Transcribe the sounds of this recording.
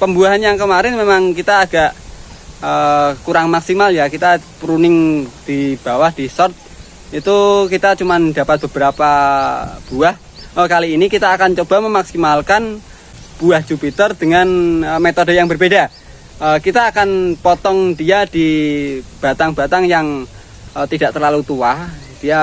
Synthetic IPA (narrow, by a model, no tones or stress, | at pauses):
pəmbuaɦanjaŋkəmaɾɪnmemaŋkit̪aːɡ̥aʔ | əkuɾaŋmaksimaljakit̪apɾunɪŋd̥ib̥a̤wahd̥isɔrt̪̚ | it̪ukit̪at͡ʃumand̪apat̪̚b̥əb̥əɾapa | b̥uah | əkaliːnikit̪aːkant͡ʃob̥a̤məmaksimalkan | b̥uahd͡ʒupit̪ərd̪̥əŋanəmet̪odə̤jaŋbərbeda | əkit̪aːkanpɔt̪ɔŋdiad̪̥i | b̥a̤t̪aŋb̥a̤t̪aŋjaŋ | ət̪idaʔt̪ərlalut̪uahd̥ija